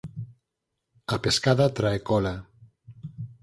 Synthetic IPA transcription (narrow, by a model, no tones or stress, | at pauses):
apeskaðat̪ɾaekɔla